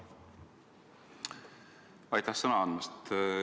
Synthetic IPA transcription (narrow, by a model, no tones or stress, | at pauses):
ɑjt̪ˑɑsɤnɑɑnmɑst̪